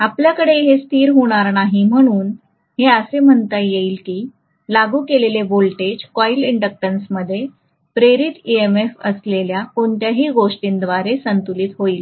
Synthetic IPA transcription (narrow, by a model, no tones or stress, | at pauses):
apljakəɽeɦest̪ʰiːɾɦoɽ̃aɾnaɦiːm̤əɽ̃uːn | ɦeəsem̤əɳt̪ajeiːlkiː | laɡuːkelelebolʈed͡ʑkɔiliɳɖək̚ʈənsməd̪ʱːje | pɾeɾit̪iemefə̰sleljakoɳt̪jaɦiːɡoʂʈiːnd̪ʋaɾesənt̪uliːt̪ɦoiːl